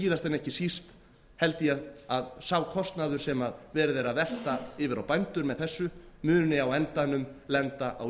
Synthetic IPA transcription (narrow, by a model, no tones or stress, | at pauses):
iːðast̪ɛnɛhcɪsist̪ | hɛlt̪ɪjɛðaðsaːwkʰɔst̪naðʏɾ̥sɛmaðvɛːɾɪðejɾaðvɛl̥t̪aɪːvɪɾawpajnt̪ʏɾmɛðθɛsːʏmʏːnʏnɪawɛnt̪anːʏmlɛnt̪aʔa̰w